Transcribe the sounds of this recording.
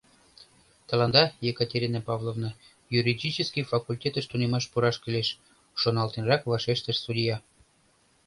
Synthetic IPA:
t̪ɑ̆lɑnd̪ɑjekətʲeɾʲinɑpɑvlˠovnɤ̆ | juɾʲidʲit͡ɕəskijfɑkulʲtʲet̪ə̆ʃt̪unemɑʃpuɾɑʃkɘleʃ | ʃonɑlt̪enrɑkvɑʃeʃt̪ə̆ʃsudʲijɑ

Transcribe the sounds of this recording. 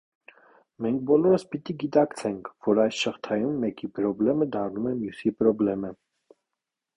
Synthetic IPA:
mɛŋk̚ʰbɔlɔɾəspit̪iɡit̪ɑkt͡sʰɛŋkʰvɔɾɑjsʃəχt̪ʰɑjumːɛkipɾɔblɛməd̪ɑɾnumɛmjusipɾɔblɛmə

